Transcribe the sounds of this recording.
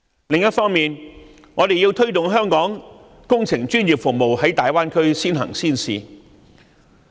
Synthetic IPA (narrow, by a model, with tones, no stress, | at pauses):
lɪ˨ŋjɐ˥tfɔː˥ŋmiː˨n | ŋɔː˨˧t̪e˨ji˧wt̪ʰɵ˥ɥt̪ʊ˨ŋɦœː˥ŋkɔː˨˥ŋ | kʊ˥ŋt͡sʰɪ˨˩ŋt͡ʃyː˥njiː˨˩p̚fʊ˨k̚mo˨whɐ˨˥jt̪aː˨jwaː˥nkʰɵ˥ɥsiː˥nɦɐ̰˨˩ŋsiː˥nsḭː˨˧